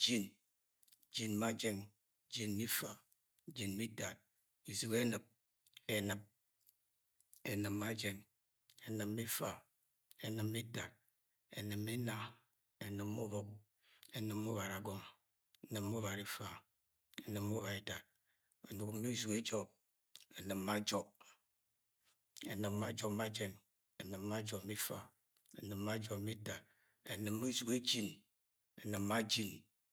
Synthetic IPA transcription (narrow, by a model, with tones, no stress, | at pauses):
d͡ʒi˦n˦ | d͡ʒi˦nma˦d͡ʒe˦ŋ˦ | d͡ʒi˨nmi˦fa˨˦ | d͡ʒi˨nmi˦da˨t̚ | i˨zu˨ke˦nɨ˨p̚ | e˨nɨ˨p̚ | e˨nɨ˨mːa˦d͡ʒe˦ŋ | e˨nɨ˨mːi˦fa˨ | e˨nɨ˨mːi˦da˨t̚ | ḛ˨nɨ˨me˦na˦ | e˨nɨ˨mu˦bɔ˦k | e˨nɨ˨mː˦u˦βa˨ɾa˨ɡo˦m˨ | e˨nɨ˨mːu˦βa˨ɾi˦fa˦ | e˨nɨ˨mːu˦βa˨e˦da˨t̚ | o˨nu˨ku˦ŋ˦mi˦zu˨ke˦d͡ʒɔ˦b̚ | e˨nɨ˨mːa˦d͡ʒɔ˨b̚ | e˨nɨ˨mːa˦d͡ʒo˨kma˦d͡ʒe˦n | e˨nɨ˨mːa˦d͡ʒo˨mi˦fa̰˦ | e˨nɨ˨mːa˦d͡ʒo˨mi˦ta˨ | ḛ˨nɨ˨mː˦u˦zu˨ke˦d͡ʒi˦n | e˨nɨ˨mːa˦d͡ʒi˦n